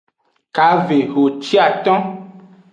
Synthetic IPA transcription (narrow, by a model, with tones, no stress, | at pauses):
ka˨ve˨ɦo˨t͡ʃi˦a˨t̪ɔ̃˦